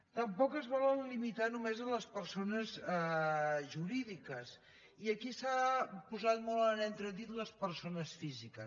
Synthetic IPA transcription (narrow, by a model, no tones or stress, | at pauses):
t̪əmpɔkəzβɔlənlimit̪anumezələspəɾsonəzɛʒuɾiðikəs | iəkisapuzat̪̚mɔlˠənent̪ɾət̪it̪ləspəɾsonəsfizikə